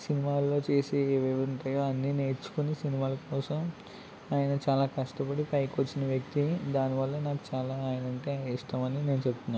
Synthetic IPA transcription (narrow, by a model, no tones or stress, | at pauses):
sinimaːlo̞ːt͡ʃe̞ːseːʋeʋuɳʈɐjoːɐnːine̞ːɾt͡ʃːu̥kunisinimaːlɐkɔːsɐm | aːjɐnɐt͡ʃaːlaːkɐʂʈɐpɐɽipɐjkot͡ʃːinɐʋjɐk̚t̪id̪aːniʋɐlːɐnaːku̥t͡ʃaːlaːjɐnɐɳʈeːiʂʈaːmɐnine̞ːnut͡ʃebut̪unːaː